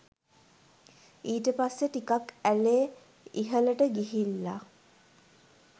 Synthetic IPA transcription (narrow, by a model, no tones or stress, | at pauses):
iːʈəpasːeʈikakæleː | iɦələʈəɡiɦilːa̰